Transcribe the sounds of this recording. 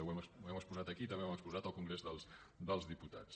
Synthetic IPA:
wɛməsɛməspuzat̪əkiːt̪əmewməkspuzat̪əlˠkuŋɡɾezðəlˠsd̪əlˠzðiput̪a̰t͡s

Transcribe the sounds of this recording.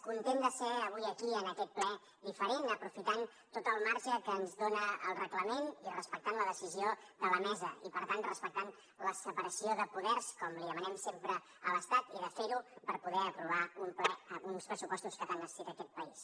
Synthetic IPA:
kunt̪end̪əsɛəβ̞ujəkiənəkɛt̪̚plɛ | ðifəɾenəpɾufit̪an | t̪ot̪əlˠmaɾʒəkəːnzðonəəlˠrəkləmenirəspək̚t̪anləðəsizioðəβənɛzə̰ipəɾt̪anrəspək̚t̪an | ləsəpəɾəsioðəpuðɛrskɔmliðəmənɛmsempɾə | ələst̪at̪iðəfeɾupəɾpuðɛəpɾuβ̞aumplɛunspɾəsupɔst̪uskət̪anːəssit̪əkɛt̪̚pəis

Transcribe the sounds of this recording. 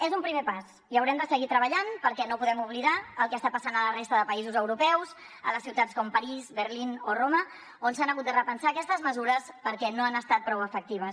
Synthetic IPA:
ezumpɾimepas | iəwɾɛmd̪əsəɣit̪ɾəβəʎanpəɾkɛnopuðɛmuβliðaəlˠkɛːst̪apəsanələrest̪əðəpəizuzəwɾupɛws | ə̰ləsiwt̪at͡sskɔmpəɾizβərlinoromə | onsanəɣut̪̚d̪ərəpənsaːkɛst̪əzməzuɾəspəɾkɛnoanəst̪at̪̚pɾɔwəfək̚t̪iβ̞əs

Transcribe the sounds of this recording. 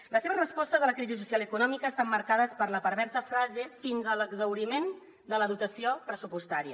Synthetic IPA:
ləsːeβəzrəspɔst̪əzðələkɾizisusialˠəkunɔmikəːst̪amːəɾkað̞əspəɾləpəɾβɛɾsəfɾazefinzələɡzəwɾimen | d̪ələðut̪əsiopɾəsupust̪aɾiə

